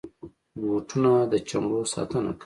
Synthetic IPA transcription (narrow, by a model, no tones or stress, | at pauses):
ɡoʈunad̪ət͡ʃaŋɡɽosɑ̰t̪ənak